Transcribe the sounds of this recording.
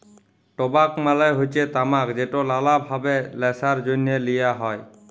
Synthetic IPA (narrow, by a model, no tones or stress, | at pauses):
tɔbakmalajɦojsɛtamakzetɔlalabʱabɛlɛsaɹzonɛlijaɦɔj